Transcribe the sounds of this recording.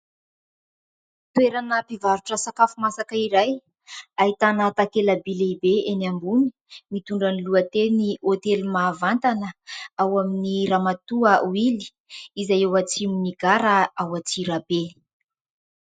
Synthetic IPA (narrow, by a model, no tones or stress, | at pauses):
t̪uweɾanəpivaɾuʈ͡ʂəsakafumasakəiɾaj | ait̪anat̪akelabileibeenambuni̥ | mit̪uɳɖ͡ʐaniluət̪eniʔot̪elmaːvant̪anəawaminiɾamat̪uəuili̥ | izajewat͡siminiɡaɾaawat͡siɾabe